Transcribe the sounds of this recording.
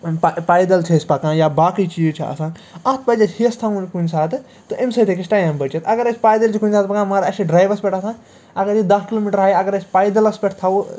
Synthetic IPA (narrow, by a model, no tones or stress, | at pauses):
ppaːjd̪ɐlt͡ʃʰisʲpɐkãːjabaːkit͡ʃit͡ʃʰiɐ̰sãːn | ɐt̪ʰpɐd͡ʒɐhiɐst̪ʰɐ̃nkunʲsaːt̪ʰɨ | t̪ɨʔemsɐt̪ʰekisʈajɐmbɐt͡ʃɐt̪ɐɡɐɾɐsʲpaːjd̪ɐlt͡ʃʰikunʲsaːt̪̚pɐkãːmɐɾɐsiɖɾaːjʋɐspʲeʈʰɐsãː | ɐɡɐɾid̪ɐskilomiʈɾɦaːjɐɡɐɾɐsʲpajd̪ɐlɐspʲeʈʰt̪ʰɐw